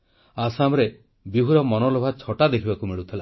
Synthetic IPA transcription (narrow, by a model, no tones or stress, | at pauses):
asamɾe | biɦuɾɔmɔnɔlobʱat͡ʃʰɔʈad̪ekʰibakumeɭut̪ʰila